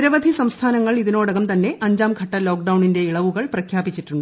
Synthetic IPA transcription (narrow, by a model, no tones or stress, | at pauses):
ɾɐʋɐd̪ʱisɐmst̪ʰaːnɐŋːɐɭiðino̞ːɽɐɣɐmt̪ɐnːe̞ʔɐɲd͡ʑaːmɡʱɐʈːɐlo̞ːk̚ɖɐwɳinde̞iɭɐʋuɣɐɭprɐkʰjaːbit͡ɕːitːuɳɖɨ